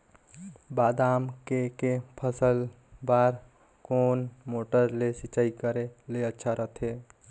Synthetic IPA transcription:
baːd̪aːmkekepʰəsəl | baɾ | koːnmoːʈəɾlesit͡ʃaikəɾeleətːʃʰaɾəɦt̪ʰɦe

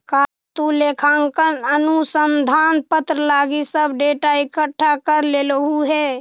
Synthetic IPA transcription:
kaː | t̪ulekʰãːŋkənənusənd̪ʱaːnpət̪ɾəlaːɡisəbɖeʈaikəʈʰːakəɾleləɦuɦɛː

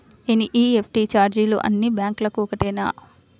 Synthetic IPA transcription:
eniʔiːepʰʈit͡ʃaːɾd͡ʒiːlo̰ːʔɐ̰nːibjaːŋklɐkuɔkɐʈɛːna̰ː

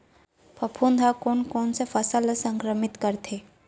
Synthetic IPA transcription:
pʰɐpʰuːnd̪ʱakoːnkɔːnsefʰɐsaːlasə̃ŋkɾəmɪt̪kəɾt̪ʰeː

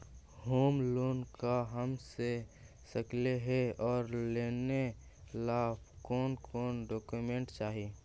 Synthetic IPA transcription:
hoːmloːnkaɦəmse | səkleɦeɔːɾleːne | laːpkɔːnkʰɔːnɖɔːkumẽɳʈt͡ʃaːɦi

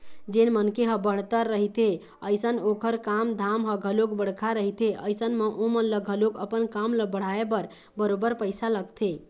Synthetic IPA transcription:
d͡ʒenmənkeɦəbəɽ̤t̪əɾːəɦit̪ʰe | əjsənokʰəɾkamd̪ʱamɦəɡʱəlok̚bəɽ̤kʰaɾəɦit̪eəjsənmeʔomənləɡʱəlokəpənkamləbəɽ̤aebəɾ | bəɾobəɾpəɪsaləɡt̪ʰe

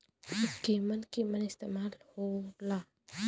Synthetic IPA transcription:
ikemankemanest̪amaɾlhola

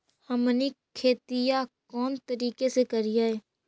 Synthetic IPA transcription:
həmnikʰeːt̪ɪjakɔːnt̪əɾiːkesekəɾɪjaɦɛː

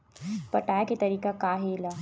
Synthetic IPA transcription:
pɐʈaːjket̪ɐɾiːkakaːɦela

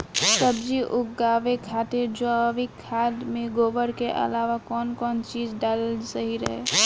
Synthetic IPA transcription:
səbd͡ʒiʔʊɡaːʋekʰat̪ed͡ʒoaʋikʰad̪mẽɡoːbəɽkeʔə̰laʋakɔːnkɔːnt͡ʃiːd͡ʒɖalsəɦiɾəɦe

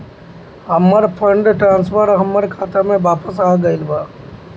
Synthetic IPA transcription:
ɦəmːəɾpʰəɳɖʈɾãːnspʰəɾɦəmːəɾkʰaːt̪amẽʋaːpəsaːɡəɪlbaː

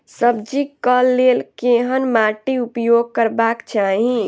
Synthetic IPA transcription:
səbd͡ʒikəlːelkeɦənmaʈiupjoɡ̚kəɾbakt͡ʃaɦi

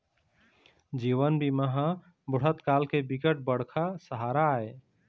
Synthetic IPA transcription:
d͡ʒiʋənbiməɦã | bʊɽ̤ət̪kalkebikəʈ̚bəɽ̤kʰasəɦaɾae

